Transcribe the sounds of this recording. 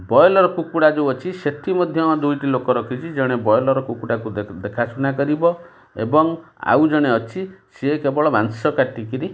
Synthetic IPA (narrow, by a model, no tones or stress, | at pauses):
bɔjlɔɾɔkukuɽad͡ʒeɔt͡ʃʰiset̪ʰimɔd̪ʱjɔd̪ujʈilokɔɾɔkʰit͡ʃʰid͡ʒɔɽ̃ebɔjlɔɾɔkukuɽakud̪ekʰasunakɔɾibɔ | ḛbɔŋa̰wd͡ʒɔɽ̃eɔt͡ʃʰiseekebɔɭɔmansɔkaʈikiɾi